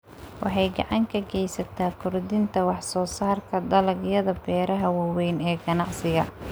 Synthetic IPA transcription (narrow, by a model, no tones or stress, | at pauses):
wʔɑ̰ħɑjɡɑʕɑŋkʰɐɡɛjsɐt̪ʰaːkʰʊrd̪ɪnt̪ʰɐwɑħsɔːsaːrkʰɐd̪ɐlɐɡjɐðɐbɛːɾɐɦɐwɑwɛjnɛːɡɐnɑʕsɪɣɐ